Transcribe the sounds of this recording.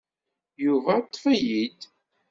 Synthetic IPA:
juvæt̪ˤːfæjid̪

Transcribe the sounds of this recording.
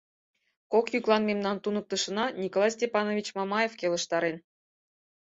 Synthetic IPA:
kokjyklˠɑnmʲemnɑnt̪unɤ̆k̚t̪ɤ̆ʂɤ̆nɑnʲikolˠɑjsʲtʲepɑnovʲit͡ɕmɑmɑjefkʲelˠɤ̆ʂt̪ɑɾʲen

